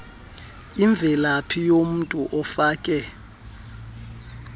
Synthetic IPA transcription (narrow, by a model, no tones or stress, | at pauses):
iɱb̪vʱɛlapʰijom̩ntʼuʔɔfaːkʼɛ